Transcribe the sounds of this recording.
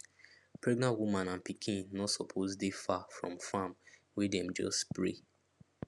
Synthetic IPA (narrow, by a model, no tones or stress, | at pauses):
pɹɛɡnãnwumãnãnpikʰĩnːɔtsɔpʰozdefafɹɔ̰̃mfãm | wɛdɛ̃md͡ʒɔ̰spɹḛ